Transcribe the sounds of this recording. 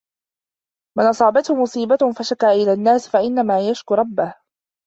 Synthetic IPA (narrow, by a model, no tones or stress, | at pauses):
manʔɑsˤɑːbat̪hʊmʊsˤiːbafaʃakaːʔɪlaːnːaːsfaʔɪnːamaːjaʃkʊɾˤɑbːah